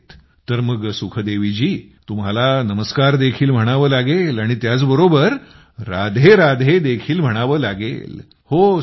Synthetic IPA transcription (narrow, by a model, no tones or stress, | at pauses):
t̪ | t̪əɾməɡsukʰəd̪eʋid͡ʑiː | t̪umɦalanəməskaɾd̪ekʰiːlm̤əɽ̃aʋəːlaɡelaɽ̃it̪jat͡sbəɾobəɾː | ad̪ʱeɾad̪ʱed̪ekʰiːlm̤əɽ̃aʋəːlaɡḛl | ho